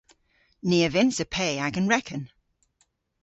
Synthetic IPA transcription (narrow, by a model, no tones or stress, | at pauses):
niːəvɪ̃nsəpʰeɪaɪkə̃nɹɛkʰə̃n